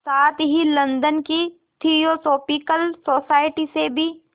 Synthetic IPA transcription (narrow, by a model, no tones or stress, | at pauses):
saːt̪ɦilɐ̃nd̪ənki | ʈʰijoːsoːpiːkəlsoːsaːɪʈisebʱi